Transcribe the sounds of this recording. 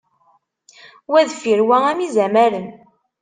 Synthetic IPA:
wæðfiɾwææmizæmæɾən

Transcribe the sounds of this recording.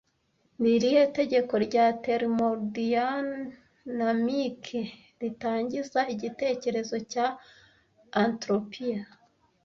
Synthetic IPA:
niɾijete̞ɟe̞ko̞ɾɟateɾmoɾdia | namikʰe | ɾitaːɲɟizaiɟite̞ːce̞ɾe̞zo̞caː | ntɾopija

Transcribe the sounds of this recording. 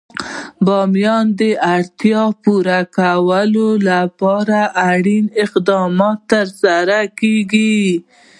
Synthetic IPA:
bɑmjɑnd̪əaɽt̪jɑpuɾakawəlolapɑɾaʔaɽinɪqd̪ɑmɑt̪ːəɾsaɾakeɡi

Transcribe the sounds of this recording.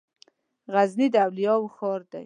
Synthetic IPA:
ɣaznid̪awlijɑwxɑɾd̪a̰j

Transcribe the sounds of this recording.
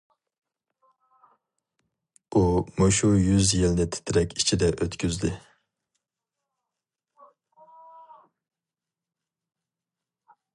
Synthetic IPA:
umoʃujyzjelnɪt̪ʰɪ̥t̪ʰɪɾɛkʲi̥t͡ʃʰid̪ɛʔøt̪kʲyzd̪ɪ

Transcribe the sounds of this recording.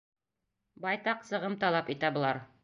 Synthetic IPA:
bɑjt̪ɑqsɤ̆ʁɤmt̪ɑlˠɑpit̪æbɤ̆lˠɑɾ

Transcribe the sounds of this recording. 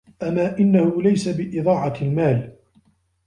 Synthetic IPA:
ʔamaːʔɪnːahʊlajsabɪʔɪðˤɑːʕɑlmaːl

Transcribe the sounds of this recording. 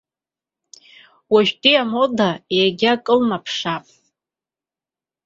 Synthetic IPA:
waʒᶣtʼiamodaejaɡʲakʼɨlmapʰʂapʼ

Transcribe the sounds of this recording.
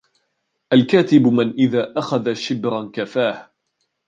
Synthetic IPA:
ʔalkaːt̪ɪbmɪnʔɪðaːʔaxaðaʃɪbɾankafaːh

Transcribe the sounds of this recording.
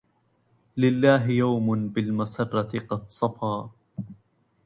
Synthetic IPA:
lɪlːaːɦɪjawmʊnbɪlmasɑrˤːɑt̪ɪqɑd̪sˤɑfɑː

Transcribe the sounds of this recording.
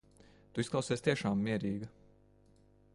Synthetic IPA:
t̪uisklˠɑwsɛːst̪iɛʃaːmːiɛɾiːɡɐ

